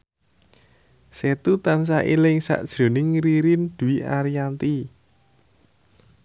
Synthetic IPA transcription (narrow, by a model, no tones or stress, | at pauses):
set̪ut̪ans̬aʔilɪŋsa̰ʔd̥ʒ̥ɾo̤nɪŋɾiɾind̪̥uiaɾijant̪i